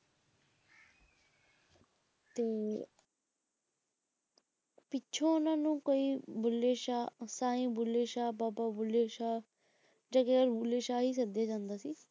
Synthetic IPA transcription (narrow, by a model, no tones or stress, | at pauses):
t̪eː | pɪtːt͡ʃʰõːʊnãːnũːkoːiːbʊlːeːʃaːsaːĩːbʊleːʃaːbaːbaːbʊleːʃaː | d͡ʒãːkeəɾbʊleːʃaːɦiːs̬əd̪aːd͡ʒãːnd̪aːsiː